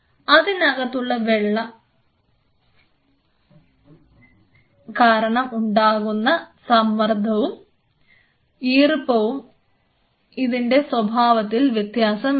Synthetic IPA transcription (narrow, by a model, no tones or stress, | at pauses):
ɐðinɐɣɐt̪ːuɭːɐʋeɭːɐ | kaːɾɐɳɐmuɳɖaːɣunːɐsɐmːɐrd̪ʱɐʋum | iːrpːɐʋum | iðinɖe̞swɐbʱaːʋɐt̪ːilʋjɐt̪jaːsɐm